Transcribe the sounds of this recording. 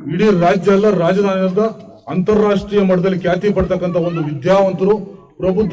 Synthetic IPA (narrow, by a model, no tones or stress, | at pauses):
iɽiɾaːd͡ʒjɐlːɐɾaːd͡ʒɐd̪ʱaːnɐɐd̪ɐː | nt̪ɐɾaːʂʈɾiːjɐmɐʈɐd̪ɐlːikjaːt̪ipɐɽt̪ɐkːɐnt̪ʰɐo̞nd̪uʋid̪jaːʋɐnt̪ɐɾu | pɾɐbʱut̪